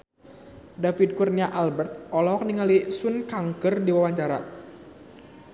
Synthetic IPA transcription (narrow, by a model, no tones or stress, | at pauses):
dafid̚kurɲaʔalbɛrt̪̚ɔlɔk̚niŋalisunkaŋkərdiwawaɲt͡ʃaɾa̰